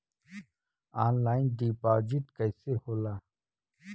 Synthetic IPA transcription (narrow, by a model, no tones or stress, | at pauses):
aːnlaːjnd̪iːpaːd͡ʑiʈ̪kɐjseholaː